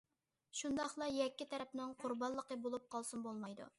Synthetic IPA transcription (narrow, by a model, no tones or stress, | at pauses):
ʃund̪ɑχlˠɑjɛkʲːit̪ʰɛɾɛpnɪŋqʰʊɾbɑnlˠːəqəbolˠup̚qʰɑlˠsunbolˠmɑjd̪ṵ